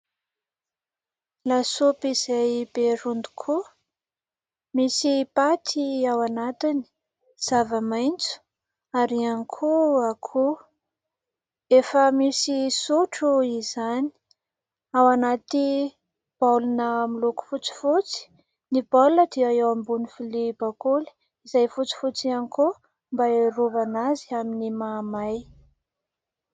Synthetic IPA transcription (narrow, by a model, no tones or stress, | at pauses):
lasopiz̥ajbeɾund̪u̥kʰu | misipat̪ʰiawanat̪ini̥ | z̥avəmajnt͡su̥ | aɾianikʰuakʰu | efəmisisuʈ͡ʂuizani̥ | awanat̪i | b̥alunəmiluku̥fut͡si̥fut͡si̥ | nibalnəd̪iaewambunifilibakuli̥ | izajfut͡si̥fut͡sianiku | mbaeɾuvanazi̥aminimamaj